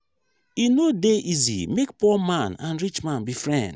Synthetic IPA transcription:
inodeʔizḭmekpɔmãnã̰nɾit͡ʃmãnbifɹɛ̰̃nd

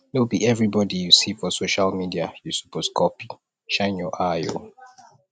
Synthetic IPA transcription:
nobiɛvɹibɔdijusifɔsoʃalmidiajusu̥poskʰɔpi | ʃãɪ̃njɔʔajo̰

